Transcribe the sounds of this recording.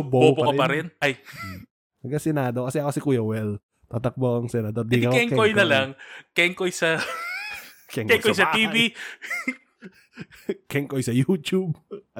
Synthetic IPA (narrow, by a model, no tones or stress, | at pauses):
boboːpoɐɾkɐpɐɾɪnʔɐj | ɐɡasɛnaːd̪okɐsɛɐkosɪkuːjɐwɛl | t̪at̪ɐk̚bokɐŋsɛnɐd̪oɾd̪ikɐɛŋkojnɐlɐŋkɛŋkojsɐ | kɛŋkɛkojsɐt̪iːbi | kɛŋkojsɐjuːt̪ub̚